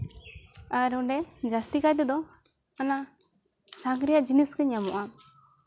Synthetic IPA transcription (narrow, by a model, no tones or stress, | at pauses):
aɾɔɖɛd͡ʒast̪ikajd̪ɛd̪ɔ | ana | saŋɡɾijaʔd͡ʒiniskəɲamɔ̰ʔa